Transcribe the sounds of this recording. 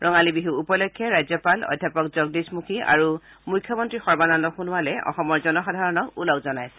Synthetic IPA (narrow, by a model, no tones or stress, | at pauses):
ɹʔɔŋalibiɦuupɔlɔkʰːjɔɹajzjɔpalɔ̰jdʱjapɔkzɔɡ̚dismukʰia̰ɹu | mujkʰːjɔmɔntɹixɔɹbanandɔxunuwalɛɔ̰xɔmɔɹzɔnɔxɔdʱaɹɔnɔkulɔkzɔnajsɛ̥